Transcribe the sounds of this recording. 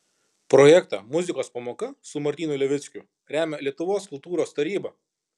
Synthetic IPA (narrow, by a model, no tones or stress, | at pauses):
pɾɔjɛkt̪ɑ̰ːmʊzʲɪkoːspɐmoːkɐsʊmɐɾʲt̪ʲiːnʊlʲɛʋʲɪt̪sʲkʲʊ | ɾʲæːmʲɛlʲiɛt̪ʊʋoːskʊlˠt̪uːɾoːst̪ɐɾʲiːbɐ